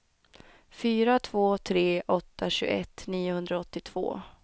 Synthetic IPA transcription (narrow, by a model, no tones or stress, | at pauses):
fyːɾat̪ʰv̥oːt̪ʰɾeːʔɔt̪ːaɕɵ̰ɡ̰ɛt̪ːniːʊhɵnd̪ɾaɔt̪ːɪt̪ʰv̥o̰ː